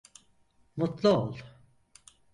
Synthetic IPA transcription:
mut̪lˠuolˠ

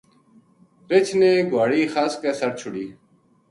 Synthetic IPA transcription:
ɾɪt͡ʃʰneːɡʱaːɽiːxaːskeːsəɾ̚t͡ʃʰʊɽiː

